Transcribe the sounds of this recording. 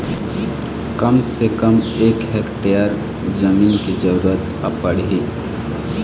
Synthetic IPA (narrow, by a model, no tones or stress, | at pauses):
kɐmsekəmeːkɦekʈejəɾ | d͡ʒəmiːnkid͡ʒəɾuuɾət̪ | əpəɽɦi